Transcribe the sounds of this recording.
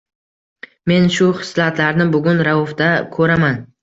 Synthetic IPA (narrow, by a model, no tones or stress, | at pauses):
me̞nʃʊχɪ̥slat̪laɾnɪbʊɡʲʊnɾaʊfd̪akʰɵɾaman